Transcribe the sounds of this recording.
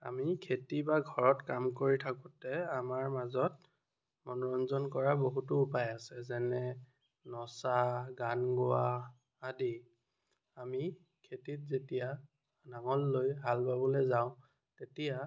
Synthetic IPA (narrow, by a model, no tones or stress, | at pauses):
a̰mikʰetibaɡʱɔɹɔtkamkoɹitʰakutɛamaɹmazɔt̚ | mɔnɔɹɔnzɔnkɔɹaboɦutʊːpajasɛzɛnɛ | nɔsaɡanɡʊa | adi | ami | kʰetit̚zetija | naŋɔlːojɦalbabɔlɛzaʊ̃ | tetija